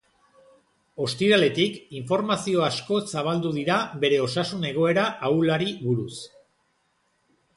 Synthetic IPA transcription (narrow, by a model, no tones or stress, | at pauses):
o̞st̪iɾale̞t̪ikiɱfo̞ɾmasio̞asko̞saβald̪uðiɾaβe̞ɾe̞o̞sasune̞ɣ̞o̞e̞ɾaʔawlaɾiβuɾus